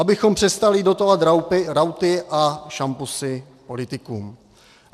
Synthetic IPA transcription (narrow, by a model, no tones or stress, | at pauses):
ʔabɪxo̞mpr̝̥ɛst̪alɪdot̪ovat̪ɾawpɪɾawt̪ɪʔaʃampusɪ | po̞lɪt̪ɪkuːm